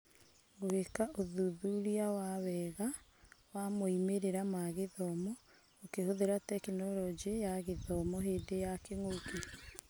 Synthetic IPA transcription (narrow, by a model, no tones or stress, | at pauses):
ɡohekaʔoðuðuɾiawawɛɣawamoimeɾeɾamaɣeðɔmɔ | okehoðeɾatɛkinɔlɔd͡ʒijaɣeðɔmɔɦeːdejakeŋoki